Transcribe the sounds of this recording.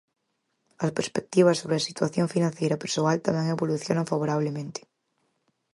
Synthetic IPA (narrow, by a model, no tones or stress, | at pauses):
aspeɾspek̚t̪iβ̞asːoβɾeasit̪waθjoɱfinãnθjejɾapeɾsoalt̪ameŋeβoluθjonãŋfaβoɾaβ̞lemẽnt̪e̥